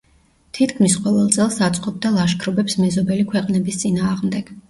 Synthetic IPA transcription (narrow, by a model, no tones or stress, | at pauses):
t̪ʰit̪kʰmisqʼɔvɛlˠt̪sʼɛlˠsat̪sʼqʼɔb̚d̪alˠaʃkʰɾɔbɛpsmɛzɔbɛlikʰwɛqʼnɛbist̪sʼinaːʁmd̪ɛɡ̥